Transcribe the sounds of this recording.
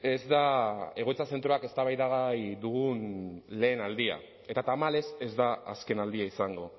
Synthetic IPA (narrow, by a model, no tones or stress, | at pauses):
e̞zd̪ae̞ɣo̞t͡sase̞nt̪ɾo̞ake̞st̪aβajðaɣajd̪uɣunle̞ːnald̪ia̰ | e̞t̪at̪amale̞se̞zd̪aa̰ske̞nald̪iaisaŋɡo̞